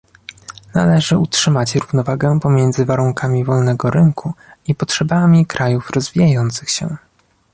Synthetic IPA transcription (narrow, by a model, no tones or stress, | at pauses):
nalɛʐɘutʂɘmat͡ɕɾuvnɔvaɡɛpɔmʲjɛnd̪zɘvaɾuŋkʰamʲivɔlnɛɡɔɾɘŋkʰuipɔtʂɛbamʲikɾʔajufɾɔzvʲijajɔnt̪sɘxɕɛ̰